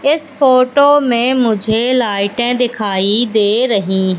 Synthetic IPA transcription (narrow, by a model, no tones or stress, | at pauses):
ɪspoːʈoːmẽmʊd͡ʒʱelaːɪʈɛ̃d̪ɪkʰaːid̪eːɾɐɦĩɦ